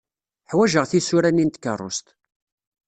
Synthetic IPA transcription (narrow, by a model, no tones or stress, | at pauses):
ħwæʒəʁθisuɾænːint̪kːə̰rˤːʊ̰st̪